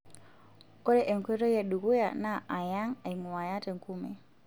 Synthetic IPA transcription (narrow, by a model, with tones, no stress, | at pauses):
kɔ˦ɾɛʔɛ˨ŋkwɛ˦ɾɔ˦ja˨ɗu˨ɣu˦janaʔa˨ja˦ŋa˨iŋu˨wa˨ja˦tɛ˨ŋkumɛ̰˨